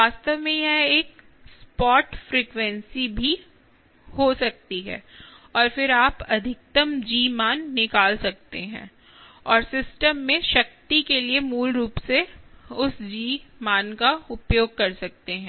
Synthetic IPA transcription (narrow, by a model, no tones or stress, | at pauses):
ʋaːst̪əʋmẽjɐeːk | spɔːʈfɾiːkʋɛ̃nsibʱi | hosɐk̚t̪iɦɛ̰ːɔːɾfɪɾaːpɐd̪ʱɪk̚t̪əmd͡ʒiːmaːnːɪkaːlsɐk̚t̪eɦɛ̰̃ː | ɔːɾsɪsʈəmːẽʃɐk̚t̪ikeliemuːlɾuːpseʊsd͡ʒiːmaːnkaʊpjoːɡ̚kɐɾsɐk̚t̪eɦɛ̃ː